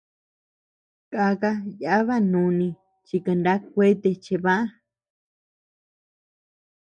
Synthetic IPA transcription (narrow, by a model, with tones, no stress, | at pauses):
ka˧ka˦ja˨˦βa˦nũ˨˧˦nĩ˧ | t͡ʃi˧ka˧nda˦k̚ʷe˦t̪e˧t͡ʃe˧βã˦ʔã˦